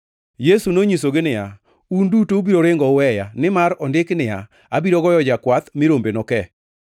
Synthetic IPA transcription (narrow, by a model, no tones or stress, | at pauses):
jesunoɲisoɡɪnɪja | undutoubiɾoɾɪŋɡɔwɛjanɪmaɾɔndɪknɪja̰ | abiɾɔɡɔjɔd͡ʒakwat̪mɪɾombenɔkɛ